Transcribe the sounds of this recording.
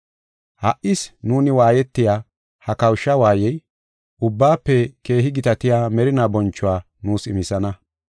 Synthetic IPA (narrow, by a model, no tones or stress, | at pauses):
hɐʔʔɪsnuːnɪwaːjɛt̪ːɪjaː | hɐkɐwʃːɐwaːjɛj | ʔʊbːaːpːɛke̞ːɦɪɡɪt̪ɐt̪ɪjaːmɛɾɪnaːbɔnt͡ʃːʊwaː | nuːsɪmɪsɐnɐ